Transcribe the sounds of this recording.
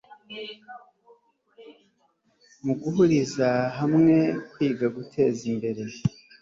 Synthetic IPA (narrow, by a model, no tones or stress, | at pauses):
muɡuɦuɾizaɦamŋe̞kwiːɡaɡutʰe̞ːzimbe̞ɾe̞